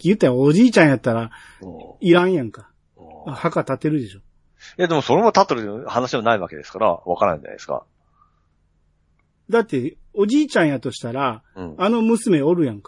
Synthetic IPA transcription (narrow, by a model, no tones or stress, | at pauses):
kʲijɯt̪ːaɾaoʑiːt͡ɕãɰ̃jat̪ːaɾa | iɾãɰ̃jãŋka | hakat̪at̪ːe̞ɾɯ̟d̪e̞ɕo̞ | jad̪e̞mo̞so̞ɾe̞mat̪at̪ːeɾɯ̟t̪ehanaɕiβanaiβake̞d̪e̞sɨ̥kaɾa̰βa̰kaɾanã̰ĩɲd͡ʑa̰na̰d̪esɨ̥ka̰ | d̪at̪ːe̞ | o̞ʑiːt͡ɕãɰ̃jat̪o̞ɕi̥t̪aɾãːno̞mɯ̟sɨme̞o̞ɾɯ̟jãŋka